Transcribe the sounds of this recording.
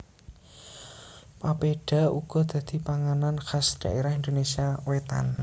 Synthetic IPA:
papeɖ̥a̤ṵɡ̥ɔ̤d̪̥ä̤d̪̥i̤paŋananxasd̪̥a̤ʔeɾaɦind̪onesiawet̪a̰n

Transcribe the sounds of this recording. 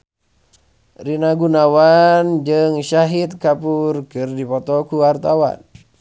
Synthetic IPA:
rinaɡunawand͡ʒɨŋʃaɦit̪̚kapurkɨrdipɔt̪ɔkuwart̪awa̰n

